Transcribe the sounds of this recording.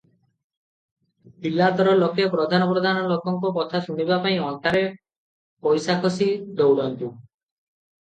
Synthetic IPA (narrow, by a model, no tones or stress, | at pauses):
pilːat̪ɔɾɔlokepɾɔd̪ʱanɔpɾɔd̪ʱanɔlokɔŋkɔk̬ɔt̪ʰaʃuɽ̃ibapaĩɔnk̪aɾe | pɔjsakʰɔsid̪owɽɔnt̪u